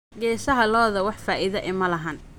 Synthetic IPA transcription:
ɡɛːsɐɦɐlɔːðɐwɑħfaːʔɪðɐʔɪmɐlɐɦɐːn

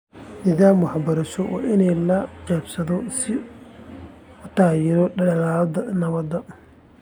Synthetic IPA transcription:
nɪðaːmwɑħbɐɾɐʃɔwɑ̰ʔɪnɛjlɐqɛːbsɐðɔsɪ | ʊt̪ʰaːjɛɾɔɖɐɐlaːlɐðɐnɐβɐd̪ɐ

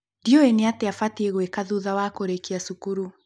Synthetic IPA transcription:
ndioeneateafateɣwekaðuðawakoɾekiasukuɾu

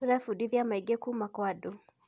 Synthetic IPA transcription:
uɾɛfudiðiamaiɡekumakwadu

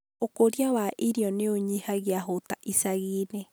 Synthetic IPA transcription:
okoɾiawaʔiɾjɔneoɲihaɣiaɦotaʔisaɣiːne

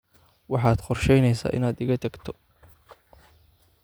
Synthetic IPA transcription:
wɑħɑːd̪χɔrʃɛjnɛjsa̰ːʔɪ̰naːd̪ɪɣɐt̪ʰɐɡt̪ʰɔ̥

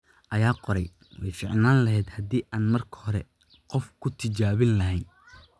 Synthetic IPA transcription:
ʔɐjaːqɔɾɛj | wɛjfɪʕnaːnlɐɦɛːd̪hɐd̪iːʔaːnmɐrkʰɐ̥hɔɾɛ | qɔfkʰʊt̪ʰɪt͡ʃaːβɪnlɐɦɛn

